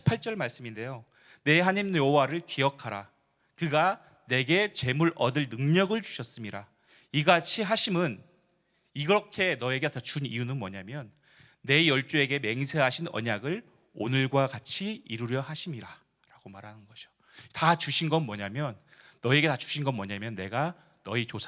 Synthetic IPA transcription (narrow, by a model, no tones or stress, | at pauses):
pʰaɭt͡ɕ͈ʌɭmaɭs͈ɯminde̞jo | ne̞ɦaɲimoowaɾɯɭkiʌkʰaɾa | kɯɡa | ne̞ɡe̞t͡ɕe̞muɾʌdɯɭnɯŋɲʌɡɯɭt͡ɕuɕʰʌs͈ɯmiɾa | iɡat͡ɕʰiɦaɕʰimɯn | iɡɾʌkʰe̞nʌe̞ɡeat͡ɕunijunɯnmwʌɲamjʌnː | e̞jʌɭt͡ɕ͈ue̞ɡe̞me̞ŋsʰe̞ɦaɕʰinʌ̰ɲaɡɯɭ | o̰nɯɭɡwakat͡ɕʰiiɾuɾjʌɦaɕʰimiɾa | ɾaɡ̥omaɾɦanɯnɡʌɕʰo̥ | tat͡ɕuɕʰinɡʌnmwʌɲamjʌnːʌie̞ɡe̞tat͡ɕu̥ɕʰinɡʌnmwʌɲamjʌnːe̞ɡa | nʌit͡ɕosʰ